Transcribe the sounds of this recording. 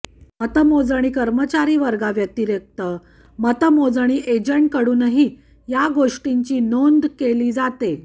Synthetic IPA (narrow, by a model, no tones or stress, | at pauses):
mət̪əmod͡zəɽ̃iːkəɾmət͡ɕaɾiːʋəɾɡaʋjək̚t̪iːɾjək̚t̪ə | mət̪əmod͡zəɽ̃iːʔed͡ʑəɳʈ̚kəɽuːnəɦiː | jaɡoʂʈiɲt͡ɕiːnond̪keliːd͡zat̪e